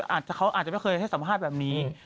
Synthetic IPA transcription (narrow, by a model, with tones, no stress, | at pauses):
ʔaː˨˩t̪̚t͡ɕa˨˩kʰa˦˥wʔaː˨˩t̪t͡ɕa˨ma˥˩jxɤː˧hsa˩˦mpʰaː˥˩t̪̚bɛː˨˩p̚niː˦˥